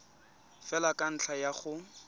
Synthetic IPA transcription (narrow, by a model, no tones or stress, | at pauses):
fɛlakʼan̩t͡ɬʰajaχʊ